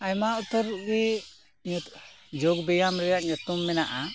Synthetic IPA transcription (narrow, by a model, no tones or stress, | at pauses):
ajmaut̪əɾuʔɡɛ | ɲ | d͡ʒoɡbɛjamɾɛjaʔɲɔt̪umːɛnaʔa